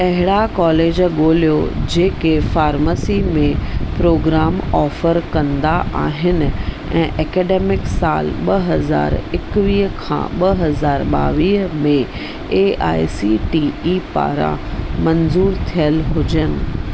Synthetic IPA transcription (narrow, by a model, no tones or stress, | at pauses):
pɐɦɪɽakɔːleːd͡ʑɠoːlijo̰d͡ʑeːkefaːɾmasiːmẽpɾoːɡɾaːmɔːfəɾkɐ̃nd̪aʔaːɦɪnɪ̆ | ɛ̰̃ːʔɛːkɛːɖeːmɪksa̰ːlɓɐɦɐza̰ːɾɪkʋiːɦkʰã̰ːɓɐɦɐzaːɾɓa̰ːʋiːɦəmẽ | eːʔa̰ːjsiʈiːiːpa̰ːɾã̰mɐnzuːɾt̪ʰijəlɦʊd͡ʑənɪ̆